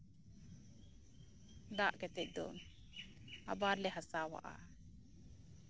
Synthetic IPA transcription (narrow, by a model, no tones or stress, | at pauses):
d̪aʔkɛt̪ɛʔ̚d̪ɔ̰n | a̰baɾlɛɦasawa̰ʔa̰